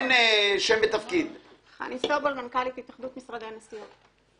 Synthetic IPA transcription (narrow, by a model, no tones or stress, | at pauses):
neʃembet̪afkid̪ | χa̰nisobolmankalithit̪aχd̪ut̪misʁad̪enasio